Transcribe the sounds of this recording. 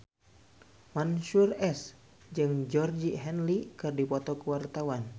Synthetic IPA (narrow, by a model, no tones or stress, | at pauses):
manʃurɛs | d͡ʒɨŋd͡ʒɔrd͡ʒiɦɛnlikɨrdipɔt̪ɔkuwart̪awan